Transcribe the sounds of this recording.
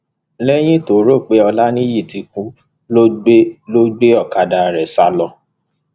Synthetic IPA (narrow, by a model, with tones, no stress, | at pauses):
lɛ˦j̃ĩ˦to˨˦ɾo˦˨k͡pe˨˦ɔ˧la˦nĩ˦ji˦˨ti˨˧kũ˨˦ | lo˦ɡ͡blo˦ɡ͡be˦ɔ˦˨ka˧da˨ɾɛ˨sa˧lɔ˧